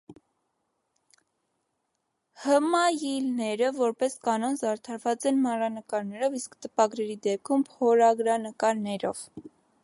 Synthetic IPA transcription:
həmɑjilnɛɾəvɔɾpɛskɑnɔnzɑɾt̪ʰɑɾvɑt͡sɛnmɑrɑnəkɑɾnɛɾɔviskt̪əpɑɡɾɛɾid̪ɛp̚kʰumʰɔɾɑɡɾɑnəkɑɾnɛɾɔ̰v̥

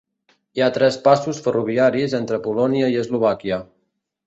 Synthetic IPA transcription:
iat̪ɾɛspasusfəruβ̞iaɾizent̪ɾəpulɔniəiəzluβ̞akiə

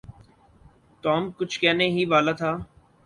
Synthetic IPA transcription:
t̪ɔːmkʊt͡ʃʰkɛːneɦiʋaːlat̪ʰaː

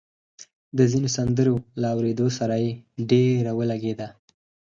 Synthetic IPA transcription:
d̪əzinosand̪əɾolaːwɾed̪osaɾajeɖeɾawəlaɡed̪a

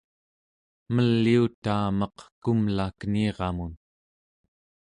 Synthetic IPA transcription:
məlːiut̪aːmʌqkumlakniːʁɑmun

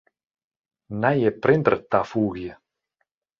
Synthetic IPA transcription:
najepɾend̪rt̪afuɣje

